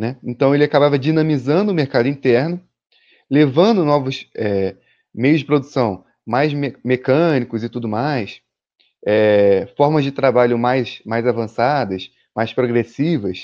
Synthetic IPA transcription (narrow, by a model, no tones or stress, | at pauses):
nɛẽnt̪ɐ̃w̃elɪakabavɐd͡ʒinɐ̃mizɐ̃nd̪ʊːmeɾkad̪ʊĩt̪ɛɾnʊ | levɐ̃nd̪ʊnɔvʊsɛ | mejʊzd͡ʒɪpɾod̪usɐ̃w̃ | majzmemekɐ̃nikʊzɪt̪ud̪ʊmajs | ɛfɔɾmɐzd͡ʒɪt̪ɾabaʎʊmajsmajzavɐ̃sad̪ɐs | majspɾoɡɾesivɐs